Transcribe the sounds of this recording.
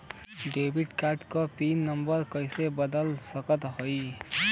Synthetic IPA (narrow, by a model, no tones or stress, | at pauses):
ɖebiʈkaʈkopinːəmbəɾkəjsebəd̪əlsəkət̪ɦoj